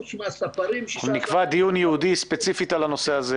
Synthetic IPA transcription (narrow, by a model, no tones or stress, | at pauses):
nikvad̪ijunjɛud̪ispe̞t͡sifit̪alano̞se̞aze